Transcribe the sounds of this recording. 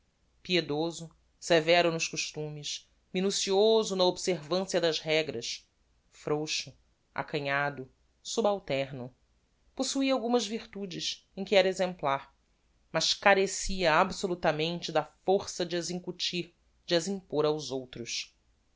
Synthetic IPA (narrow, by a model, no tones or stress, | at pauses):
pied̪ozʊ | sevɛɾʊnʊʃkuʃt̪ũmɪʃ | minusiozʊnɐobseɾvɐ̃siɐd̪ɐzɦɛɡɾɐʃ | fɾowʃʊ | a̰kɐ̃ɲad̪ʊ | subawt̪ɛɾnʊ | posuiawɡũmɐzviɾt̪ud͡ʒɪʃ | ẽj̃kʲɪɛɾɐezẽmplaɾ | mɐʃkaɾesiɐabsolut̪ɐmẽnt͡ʃɪd̪ɐfoɾsɐd͡ʒɪɐzĩŋkut͡ʃiɾ | d͡ʒɪɐzĩŋpoɾawzowt̪ɾʊʃ